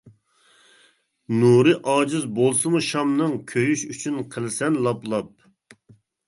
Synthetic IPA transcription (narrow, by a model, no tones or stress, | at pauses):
nuɾɨʔɑːd͡ʒɪzbolˠsɨmuʃɑmnɨŋkʲʰøjyʃyt͡ʃʰynqʰəlˠsɛnlˠɑplˠɑp̚